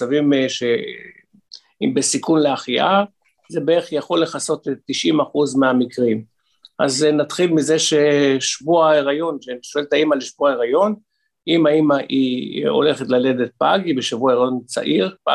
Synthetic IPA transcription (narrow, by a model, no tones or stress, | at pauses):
t͡savimʃe | ibesikunleaχiʔa | zebeeχjaχo̞lːe̞χaso̞tetːiʃimaχuzmeamikʁim | ʔaznat̪χilmizeʃeʃvuaeʁajo̞nʃeʃo̞eltaimalʃvuaeʁajo̞n | imaimaʔio̞̰le̞χe̞tlale̞det̪̚paɡibeʃavuaeʁajo̞nt͡sa̰ʔiʁpa̰